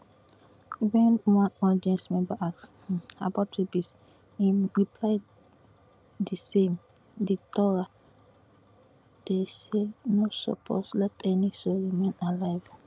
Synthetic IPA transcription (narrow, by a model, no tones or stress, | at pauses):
wɛ̃nwãnɔdiɛ̃nsmɛ̃mbaʔaks | a̰batibis | imɹipʰlaɪ | d̪isẽm | ditɔɹa | d̥esenosɔ̰pʰo̰slɛtɛnisoɹimẽnalaɪv